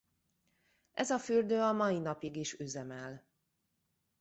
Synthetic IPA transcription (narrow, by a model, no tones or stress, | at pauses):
ʔɛzɒfyrd̪øːɒmɒjinɒpiɡiʃyzɛmɛl